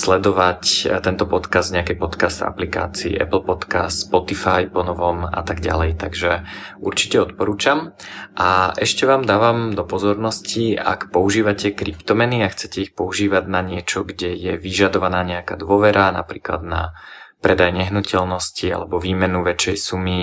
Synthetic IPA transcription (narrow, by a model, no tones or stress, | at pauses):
slɛd̪ɔʋact̪ɛnt̪ɔpɔt̪kazd̪ɲɛakɛjpɔt̪kazd̪a̰plika̰ːt͡sḭːʔɛ̰pl̩ˠpɔt̪kasspɔt̪ifajpɔnɔʋɔma̰t̪aɡɟa̰lɛjt̪aɡʒɛuɾt͡ʃi̥cɛɔt̪pɔɾuːt͡ʃam | ʔaʔɛʃcɛʋaːmd̪aːʋamd̪ɔpɔzɔɾnɔscia̰kpɔuʒiːʋacɛkɾipt̪ɔmɛniaxt͡sɛcɛixpɔuʒiːʋaɟnaɲɪɛt͡ʃɔɡɟɛjɛʋiʒad̪ɔʋanaːɲɛakaːd̪ʋʊɔʋɛɾana̰pɾiːkla̰d̪na̰pɾɛd̪ajɲɛɦnucɛlnɔscia̰lɛbɔʋiːmɛnuʋɛt͡ʃɛjsumi